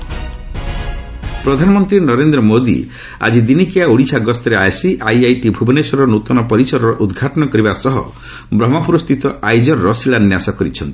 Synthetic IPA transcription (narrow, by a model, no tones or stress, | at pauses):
pɾɔd̪ʱanɔmɔnt̪ɾinɔɾend̪ɾɔmod̪ḭ | a̰d͡ʒid̪inikijauɽisʰaɡɔst̪ɔɾeajsiʔajajʈibʱubɔnesɔɾɔnut̪ɔnɔpɔɾisɔɾɔɾɔʔud̪ɡʱaʈɔnɔkɔɾibasɔɦɔ̰ | bɾɔmɔpuɾɔst̪ʰit̪ɔʔajd͡ʒɔɾɾɔsilanːjasɔkɔɾit͡ʃʰɔnt̪i̥